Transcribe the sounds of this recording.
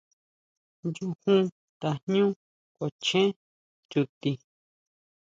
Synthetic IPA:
nd͡ʒu˧˦hũ˦ | t̪a˨n̥ɲũ˦ | ko˨t͡ʃẽ˦ | t͡ʃu˧t̪i˧

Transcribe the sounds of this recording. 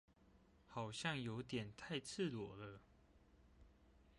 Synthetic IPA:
xɑ˨˩ʊɕjɑ˥˨ŋjo˧˥ʊt̪jɛ˨˩nt̪ʰa˥˧ɪt͡s̩ʰ˥˨lwɔ˨˩lə˦

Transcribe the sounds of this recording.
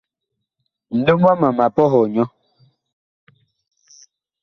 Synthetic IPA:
n̩˨lo˦mwa˦ma˨ma˨pɔ˦ɦɔ˨ɲɔ˦

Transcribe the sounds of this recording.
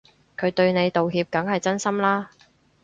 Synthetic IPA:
kʰɵ˨˧ɥt̪ɵ˧ɥne˨˧jt̪o˨wɦiː˧p̚kɐ˨˥ŋɦɐ˨jt͡sɐ˥nsɐ˥mlaː˥

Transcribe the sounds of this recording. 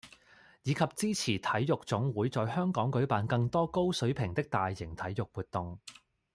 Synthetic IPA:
jiː˨˧kʰɐ˨p̚t͡siː˥t͡sʰiː˨˩t̪ʰɐ˨˥jːʊ˨k̚t͡sʊ˨˥ŋwuː˨˥jt͡sɔː˨˧jhœː˥ŋkɔː˨˥ŋkɵ˨˥ɥpaː˨˧nkɐ˧ŋt̪ɔː˥ko˥wsɵ˨˥ɥpʰɪ˨˩ŋt̪ɪ˥k̚t̪aː˨jːɪ˨˩ŋt̪ʰɐ˨˥jjʊ˨k̚wuː˨t̚t̪ʊ˨ŋ

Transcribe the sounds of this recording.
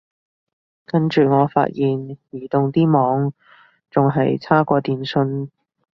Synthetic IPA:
kɐ˥nt͡ʃyː˨ŋɔː˨˧fa̰ː˧t̚jiː˨˩njiː˨˩t̪ʊ˨ŋt̪iː˥mɔː˨˧˥ŋ | t͡sʊ˨ŋɦɐ˨jt͡sʰaː˥kʷɔː˧t̪iː˨nsɵ˧n

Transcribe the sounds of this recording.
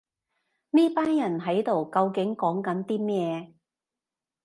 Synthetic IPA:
niː˥paː˥njɐ˨˩nɦɐ˨˥jt̪o˨wkɐ˧wkɪ˨˥ŋkɔː˨˥ŋkɐ˨˥nt̪iː˥mɛː˥˩

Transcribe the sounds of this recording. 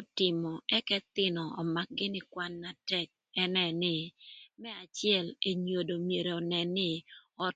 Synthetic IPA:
tɪ˨mɔ˨ɛ˦kɛ˦t̪ɪ˦nɔ˨ɔ˨ma˨k̚ɡɪ˦nɪ˦kwa˦nːa˨tɛ˦k̚ | ɛ˦nɛ˨nɪ˨mɛ˦a˨t͡ʃjɛ˦˨le˨ɲo˨do˨mje˨ɾe˨ɔ˨nɛ˨nɪ˦ɔ˦t̚

